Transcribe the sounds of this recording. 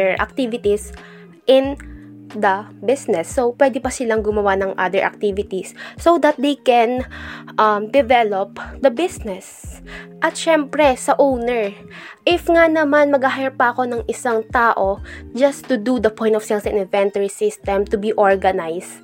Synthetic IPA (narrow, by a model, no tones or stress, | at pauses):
ɛɹʔɐ̰k̚t̪ivɪt̪is | ʔɪ̃n | d̪ɐbɪsnɛsːopwɛd̪ɪpɐsɪlaŋɡʊmɐwanɐŋʔa̰d̪ɛɹʔɐ̰k̚t̪ivɪt̪isːod̪ɐt̪̚d̪ejkɛnʔɐmd̪ɛvɛlop̚d̪ɐbɪsnɛsʔɐt̪ʃɛmpɾɛsɐʔownɛɹ | ʔɪfŋanɐmanmɐɡaɦajɐpɐʔɐko̞nɐŋʔɪsaŋt̪aːʔod͡ʒɐst̪ʊd̪ud̪ɐpɔ̃j̃nt̪ɔfsɛnsɛ̃nɪ̃nvɛ̃nt̪ɐɹisɪst̪ɛ̃mt̪ʊbiʔoɹɡɐnajs